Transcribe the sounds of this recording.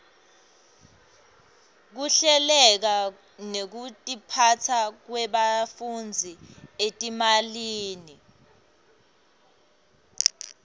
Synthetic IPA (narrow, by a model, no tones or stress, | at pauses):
k̬uɬɛlɛk̬a | nek̬utʼipʰatʰak̬wɛɓafund͡zʱietʼimaliːni